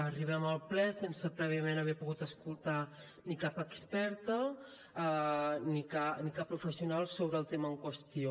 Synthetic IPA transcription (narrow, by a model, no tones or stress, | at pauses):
əriβ̞ɛməlˠplɛsensəpɾɛβiəmenəβɛpuɣut̪əskulˠt̪a | nikapəkspɛɾt̪ə | nikanikapːɾufəsiunalˠsoβɾəːlˠt̪eməəŋkwəst̪io